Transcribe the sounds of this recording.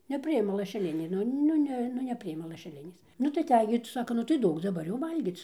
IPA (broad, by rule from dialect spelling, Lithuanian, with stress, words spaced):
nʲɛˈpʲrʲɪɪmɐ lˠɐʃʲɛˈlʲɪnʲeː ˈnʊ ˈnʊ nʲɛ ˈnʊ nʲɛˈpʲrʲɪɪmɐ lˠɐʃʲɛˈlʲɪnʲeːs ˈnʊ tɐɪ ɐˈtʲɛj ɡʲɪ tɐɪ ˈsɑːkoː ˈnʊ tɐɪ ˈduɔk dɐˈbɐr jɛʊ ˈʋɐlʲɡʲiːt͡s